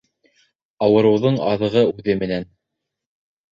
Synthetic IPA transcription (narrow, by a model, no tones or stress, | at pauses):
ɑwɤ̆ɾɤ̆wðɤɴɑ̰ðɤ̆ʁɤʉðɘmɘ̆næn